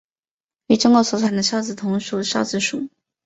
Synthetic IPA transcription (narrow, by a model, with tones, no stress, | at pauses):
i˥˧˩ʈ͡ʂʊ˥ŋkwɔ˥˩swɔ˨˧˥t͡sʰa˨˩nd̪ə˧˦ɕjɑ˥˧ʊt͡sɹ̩˨˩t̪ʰʊ˧˥ŋʂu˨˩ɕjɑ˥ʊt͡sɹ̩˧˩ʂu˨˩˦